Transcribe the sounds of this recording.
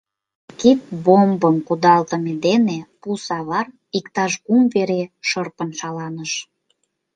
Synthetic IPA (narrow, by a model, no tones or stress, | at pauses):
kit̪̚bombəmkud̪ɑlt̪ə̆med̪enepusɑβɑr | ikt̪ɑʃkumveɾeʃərpənʃɑlɑnəʃ